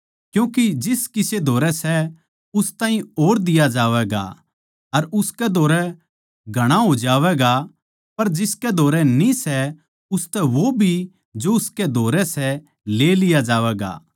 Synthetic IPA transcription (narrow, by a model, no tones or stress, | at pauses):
kjũːkid͡ʒɪskɪsed̪ʱoːɾɛsɛ | ʊst̪ãːɦĩoːɾd̪ɪjad͡ʒaːʋɛːɡa̰ | ɐɾʊskɛd̪ʱoːɾɛ | ɡʱɐɽ̃aɦod͡ʒaːʋɛːɡa | pɐɾd͡ʒɪskɛd̪ʱoːɾɛnĩsɛ | ʊst̪ɛʋobʱi | d͡ʒoʊskɛd̪ʱoːɾɛsɛ | leːlɪjad͡ʒaːʋɛːɡa̰ː